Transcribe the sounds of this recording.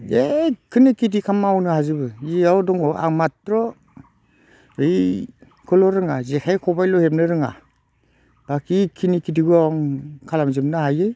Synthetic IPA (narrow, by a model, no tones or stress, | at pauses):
ekʰɯnikit̬ikʰamawnɯhazɯbɯiawdɔŋɔʔa̰ŋmatɾɔ | ɯj | kʰɯlɔɾɯŋazekʰajkʰɔbajlɔhep̬̚nɯɾɯŋa̰ | b̥akikʰinikidiɡuaŋkʰalamzɯp̚nɯhajɯj